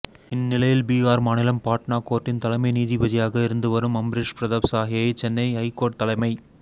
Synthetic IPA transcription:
ɪnːɪlɐjɪlbiːaːɾmaːnɪlɐmpaːʈnaːkːoːʈːɪnt̪ɐlɐɪmɐɪniːðibɐðɪjaːɣɐɪɾɯnd̪ɯʋɐɾɯmɐmbɾɪʂpɪɾɐðɐʋsaːɦɪjɐɪt͡ʃɛnːɐɪɦɐɪkːoːʈ̚t̪ːɐlɐɪmɐɪ

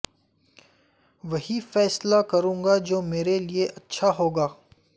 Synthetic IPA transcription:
ʋɐɦifɛːslakɐɾũːŋɡad͡ʒoːmeːɾelieʔɐtːʃʰaɦoːɡaː

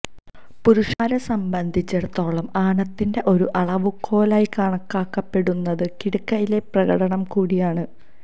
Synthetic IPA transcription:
puɾuʂaːɾɐsɐmbɐnd̪ʱit͡ɕːɐɽt̪ːo̞ːɭɐmaːɳɐt̪ːinde̞ʔo̞ɾuʔɐɭɐʋukʰːo̞ːlaːjikaːɳɐkːaːkːɐpːe̞ɽunːɐðɨkiɽukːɐjile̞prɐɣɐɽɐɳɐmkuːɽijaːɳɨ

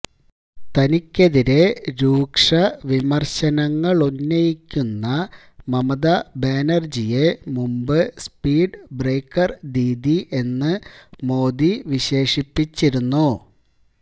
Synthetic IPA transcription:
t̪ɐnikʲːeðiɾe̞ɾuːkʂɐʋimɐrɕɐnɐŋːɐɭunːɐjikʲːunːɐ | mɐmɐðɐbeːnɐrd͡ʑijemumbɨspiːɖbreːkːɐrd̪iːd̪iʔe̞nːɨmo̞ːd̪iʋiɕe̞ːʂipːit͡ɕːiɾunːu

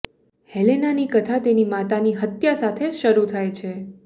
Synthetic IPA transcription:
helenanikət̪ʰat̪enimat̪aniɦət̪jasat̪ʰeʃəɾut̪ʰajt͡ʃʰe

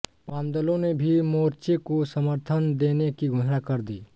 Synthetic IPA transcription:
pãːnd̪əlõnebʱimoːɾt͡ʃekosəməɾt̪ʰənd̪eːnekiɡʱʊɦnakəɾd̪iː

